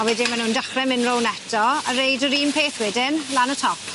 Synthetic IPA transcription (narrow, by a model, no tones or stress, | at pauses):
awɛdimanuːndaχrɛmɪnrownɛtʰɔəɾejdəɾiːnpʰeːθwɪdɪnlanətʰɔp